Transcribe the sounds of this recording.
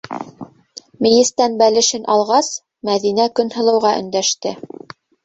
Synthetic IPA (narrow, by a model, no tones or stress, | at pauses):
mijɘ̆st̪ænbælɘ̆ʃɘnʔɑlˠʁɑs | mæðinækɵnhɤ̆lˠɤ̆wʁɑʔɵ̆nd̪æʃt̪ɘ